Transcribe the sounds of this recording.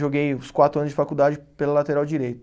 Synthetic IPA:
ʒoɡejʊskwat̪ɾʊɐnʊzd͡ʒɪfakud̪ad͡ʒɪpelalat̪eɾawd͡ʒiɾejt̪

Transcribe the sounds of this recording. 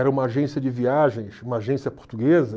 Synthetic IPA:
ɛɾɐũmɐaʒẽsiɐd͡ʒɪviaʒẽj̃sũmɐaʒẽsiɐpo̥ɾt̪uɡezɐ

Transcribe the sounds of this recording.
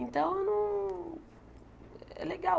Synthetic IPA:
ĩnt̪ɐ̃w̃onũ | ɛ̰leɡa

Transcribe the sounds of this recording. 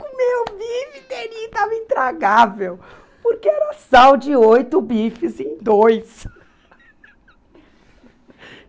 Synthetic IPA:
kʊ̃mebifit̪eɾit̪avɐĩnt̪ɾaɡavew | poɾkeɛɾɐsawd͡ʒɪojt̪ʊbifɪzẽj̃d̪ojs

